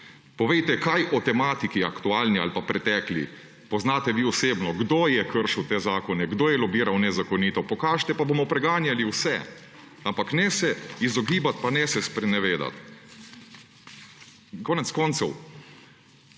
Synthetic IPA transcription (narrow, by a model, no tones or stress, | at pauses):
pɔʋejt̪ɛkajʔɔt̪ɛmaːt̪ikia̰kt̪uaːlnia̰lpapɾɛt̪ɛːklḭ | pɔznaːt̪ɛʋiːɔseːbnɔɡd̪oːjɛkəɾʃiwt̪eːzaːkɔnɛɡd̪oːjɛlɔbiːɾawnɛzakɔniːt̪ɔpɔkaːʒɛt̪ɛpaboːmɔpɾɛɡaːnjaliwsɛ | ampaknɛsɛizɔɡiːbat̪panɛsɛspɾɛnɛʋeːd̪a̰t̪ | kɔːnɛt̪skɔːnt̪sɔw